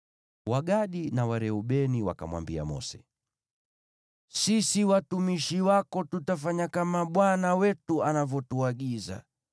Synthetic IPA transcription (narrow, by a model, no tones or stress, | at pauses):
waɠaɗinawaɾɛuɓɛniwa̰ka̰mwa̰mbia̰mɔ̰sɛ̰ | sisiwatumiʃiwakɔtutafaɲakamaɓwanawɛtuanavɔtuaɠiza̰